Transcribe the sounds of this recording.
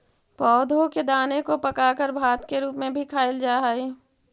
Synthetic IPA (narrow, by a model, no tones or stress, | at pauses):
pɔːd̪ʱõked̪aːnekopɐkaːkəɾbʱaːt̪keɾuːpmẽbʱikʰaːɪld͡ʒaːɦaːiː